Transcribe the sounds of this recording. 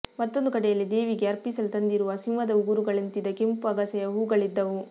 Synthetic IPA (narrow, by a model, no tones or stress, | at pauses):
mɐt̪ːo̞nd̪ukɐʈɛjɐlːid̪eːʋiɡeɐɾpisɐlut̪ɐnd̪iɾuʋɐsinʋɐd̪ɐuɡuɾuɡɐɭint̪id̪ɐkimpuɐɡɐsɐjɐɦuːɡɐɭid̪ːɐʋu